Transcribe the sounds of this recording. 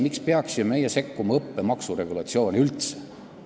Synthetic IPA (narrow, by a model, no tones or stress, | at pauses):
mikspeɑksjome̞jese̞kːumɑɤpːe̞mɑksure̞ɡ̥ulɑt̪sio̞ːnʲiylt̪se̥